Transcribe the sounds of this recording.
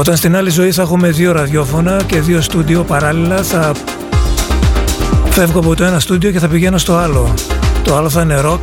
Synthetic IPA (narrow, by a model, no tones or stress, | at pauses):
o̞t̪ɐnst̪inɐlizo̞iθɐxume̞ðio̞ɾɐðʝo̞fo̞nɐce̞ðio̞st̪ud̪io̞pɐɾɐlilɐθɐ | fe̞vɣoɐpot̪o̞e̞nɐst̪ud̪io̞ce̞θɐpiʝe̞nost̪o̞ɐlot̪o̞ɐlo̞θɐne̞ɾo̞